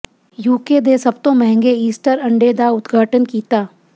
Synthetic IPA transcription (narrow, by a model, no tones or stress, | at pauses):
juːkeːd̪eːsɐb̚t̪õmɛɦɛ̃ŋɡeiːsʈəɾɐ̃ɳɖeːd̪aʊd̪ɡʱaːʈənkiːt̪aː